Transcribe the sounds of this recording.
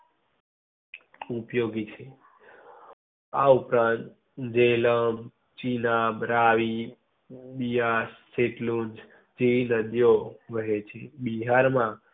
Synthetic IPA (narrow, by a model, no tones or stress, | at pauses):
upjoɡit͡ʃʰe | a̰upɾãnt̪ | d͡ʒeləm | t͡ʃinabɾaʋi | bijasːeʈlund͡ʒ | d͡ʒeʋinəd̪joʋəɦet͡ʃʰebiɦaɾmã